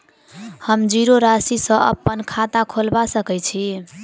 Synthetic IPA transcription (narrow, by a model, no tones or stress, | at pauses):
həmd͡ʒiɾoɾasisə̃ʔə̰pːənkʰat̪akʰolbasəkɛt͡ʃʰi